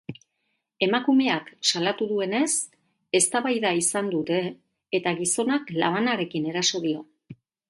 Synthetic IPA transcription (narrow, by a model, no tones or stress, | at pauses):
e̞makume̞aksalat̪uðue̞ne̞s | e̞st̪aβajðaisand̪ut̪e̞ː | t̪aɣiso̞nakla̰βanaɾe̞kine̞ɾaso̞ð̞io̞